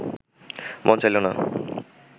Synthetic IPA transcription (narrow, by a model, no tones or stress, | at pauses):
mʔɔnt͡ɕajlona̰